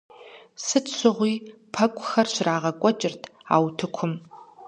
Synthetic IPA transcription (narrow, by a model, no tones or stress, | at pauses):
sɨtʰɕʷɪʁʷiːpʰɐkʷʼʊxɐrɕraːʁɐkʷʼɔt͡ʃʼɪrtʰa̰ːwtʰɨkʷʰʊm